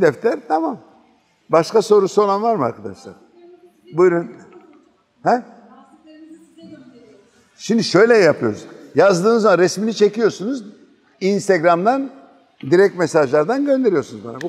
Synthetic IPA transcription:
d̪ɛft̪ʰɛɾt̪ʰamam | baʃkaso̞ɾusolˠanvaɾmɯa̰ɾkʰad̪a̰ʃlˠa̰ɾ̥ | bujɾyn | hɛ | ʃimd̪iʃø̞jlʲɛjapʰɯjo̞ɾuzjazd̪ɯːnɯzamanɾɛsminit͡ʃʰe̞cijo̞ɾsunuz | inst̪ʰeɡɾamd̪an | d̪iɾɛc̚t̪mɛsaʒlˠaɾd̪anɟønd̪e̞ɾijo̞sunuzba̰nabu

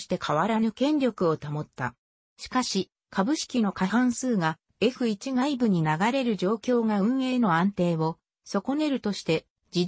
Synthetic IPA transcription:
ɕi̥t̪e̞kʰaβaɾanɯ̟kẽ̞nɾʲjo̞kɯ̟o̞t̪amo̞t̪ːa̰ | ɕi̥kaɕi | kʰabɯ̟ɕi̥kʲino̞kahãñsɨːɡa | e̞ɸɯ̟it͡ɕiɡaibɯ̟ɲ̟inaɡaɾe̞ɾɯ̟d͡ʑo̞ːkʲo̞ːŋaɯ̟̃ɰ̃e̞ːno̞ãnt̪e̞ːβo̞ | so̞ko̞ne̞ɾɯ̟t̪o̞ɕi̥t̪e̞ | d͡ʑi

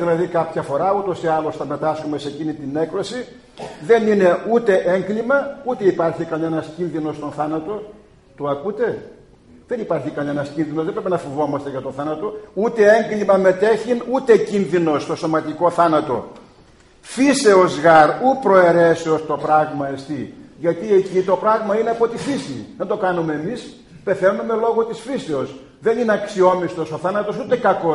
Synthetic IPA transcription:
ðilɐðikɐpçɐfo̞ɾɐut̪o̞siɐlo̞sθɐme̞t̪ɐskome̞se̞cinit̪ine̞kɾo̞si | ðe̞nine̞ut̪e̞ʔeŋɡlimɐut̪e̞ipɐɾçikɐne̞nɐscinðino̞st̪o̞nθɐnɐt̪o̞ | t̪oɐkut̪e̞ | ðe̞nipɐɾçikɐne̞nɐscinðinozðe̞bɾepenɐfovo̞mɐst̪eʝɐt̪o̞nθɐnɐt̪o̞ut̪e̞eŋɡlimɐme̞t̪e̞çinut̪e̞cinðino̞st̪o̞so̞mɐt̪iko̞θɐnɐt̪o̞ | fise̞ozɣɐɾupɾo̞e̞ɾeseost̪o̞pɾɐɣmɐest̪iʝɐt̪iecit̪o̞pɾɐɣmɐineɐpo̞t̪ifisiðend̪o̞kɐnume̞ːmis | pe̞θe̞nume̞lo̞ɣot̪isfise̞o̞s | ðenineɐksio̞mist̪o̞so̞θɐnɐt̪o̞sut̪e̞kɐko̞

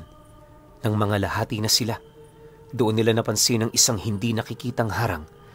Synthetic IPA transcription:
nɐŋmɐŋalɐhaːt̪inɐsɪla | d̪ʊʔonːɪlanɐpɐnsɪnɐŋʔɪsaŋhɪnd̪inɐkɪkiːt̪ɐŋhaːɾɐ̰ŋ

